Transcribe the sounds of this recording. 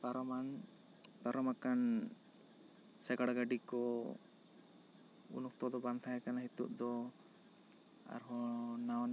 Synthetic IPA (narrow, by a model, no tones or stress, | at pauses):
baɾɔman | paɾɔmakan | sɛɡaɽaɡaɖikɔ | ṵnuk̚t̪ɔd̪ɔband̪ʰaɛkanaɦit̪ṵʔ̚d̪ɔ | a̰ɾɦɔnawn